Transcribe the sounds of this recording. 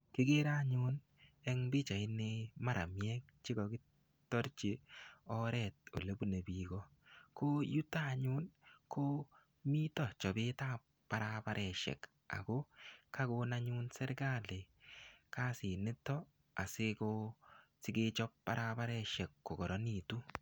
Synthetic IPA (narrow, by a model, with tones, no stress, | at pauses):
kɪ˦ɡɪ˦ɾa˦ɲʊ˦n | ɛ˦ŋbɪ˦t͡ʃa˨ɪ˦nɪ˦ma˦ɾa˨mjɛ˦k̚t͡ʃɪ˦ɡɔ˨kɪ˦ | tːɔ˦ɾt͡ʃe˨ɔ˦ɾɛt̚o̰˨le˦bu˦ne˨bi˨ɡɔ˦ko˦ju˦ta˦˨ɲʊ˦nko˦ | mi˦tɔ˨t͡ʃɔ˨bɪ˦ta˦ | pa˨ɾa˦pa˦ɾʔɛ˨ʃɛ̰˨k | a̰˨ɡo˦ka˦ko˧na˦ɲʊ˦nsɛ˦ɾɡa˦le˨ka˦sɪ˨nɪ˦tɔ˦ | a˨sɪ˦ko˦sɪ˦ɡɪ˦t͡ʃɔ˦pːa˦ɾa˦pa˦ɾɛ˧ʃɛ˨kːo˨ɡɔ˨ɾɔ˦ni˦˨tu˦